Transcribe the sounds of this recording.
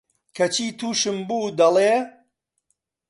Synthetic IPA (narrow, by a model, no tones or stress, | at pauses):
kʰɐt͡ʃʰiːt̪ʰuːʃɨmbuːd̪ɐleː